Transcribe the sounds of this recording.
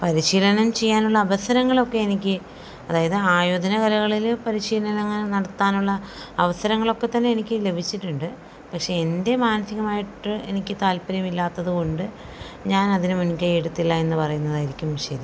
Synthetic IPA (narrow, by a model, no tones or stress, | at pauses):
pɐɾiɕiːlɐnɐmt͡ɕe̞jːaːnuɭːɐːʋɐsɐɾɐŋːɐɭokːe̞enikʲːɨ | ɐðaːjɐðɨaːjoːd̪ʱɐnɐkɐlɐɣɐɭilpɐɾiɕiːlɐnɐleŋːɐnenɐɽɐt̪ːaːnuɭːɐː | ʋɐsɐɾɐŋːɐɭo̞kːe̞t̪ːɐnːe̞ːnikʲːɨle̞bʱit͡ɕːiʈːuɳɖɨ | pɐkʂe̞ende̞maːnɐsiɣɐmaːjiʈːɨe̞nikʲːɨt̪aːlpɐɾjɐmilːaːt̪ːɐðɨko̞ɳɖɨ | ɲaːnɐðinɨmunikʲːɐjiɽut̪ːilːae̞nːɨpɐrɐjunːɐðaːjiɾikʲːumʋiʂed̪i